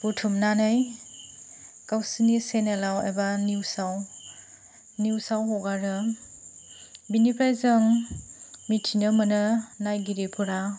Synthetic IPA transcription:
butʰumnanɯj | kawsinisenelawḛbaniwsaw | niwsawɦɔɡaɾɯ | binipʰajzɯŋ | mitʰinɯmənɯnajɡiɾepʰuɾa

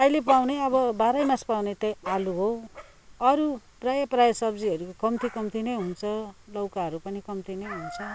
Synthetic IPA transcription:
ʌjlepawneʌbʌbaɾʌjmaspawnet̪ʌjaluɦo | ʌɾu | prajʌprajʌsʌbd͡ziʌɾukokʌmt̪ʰikʌmt̪inʌjɦunt͡sʰʌlʌwkaɦʌɾupʌnikʌmt̪inʌjɦunt͡sʰʌ

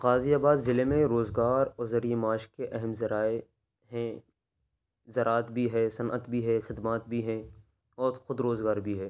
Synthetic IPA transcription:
qaːzijaːbaːd̪zɪlemẽɾoːzɡaːɾɔːɾzɐɾiemaːʃkeʔɛɦɛmzɐɾaːe | ɦɛ̃ | zɐɾaːt̪bʱiɦɛːsɐnʔə̰t̪bʱiɦɛxɪd̪maːt̪bʱiɦɛ̃ | ɔːɾxʊd̪ɾoːzɡaːɾbʱiɦɛː

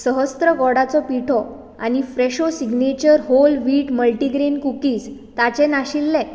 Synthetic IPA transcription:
səɦəst̪ɾəɡɔɽat͡sɔpiʈʰɔ | a̰ñifɾeɕosiɡnet͡ɕəɾɦolʋiːʈməlʈiɡɾenkukiːst̪at͡ɕɛnaɕilːɛ̃

